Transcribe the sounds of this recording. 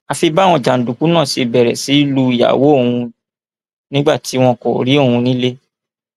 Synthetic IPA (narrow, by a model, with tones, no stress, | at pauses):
a˧fi˧ba˦˨w̃ɔ̃˧˨d͡ʒa˨n̩˨du˨ku˨˦nã˦˨si˧bɛ˨ɾɛ˨si˨˦lu˧˦i˨ja̰˨wo˨˦o˦˨hũ˧ | nĩ˦ɡ͡ba˦˨ti˨˦w̃ɔ̃˧ko˨ɾi˨˦o˦˨hũ˧nĩ˦le˦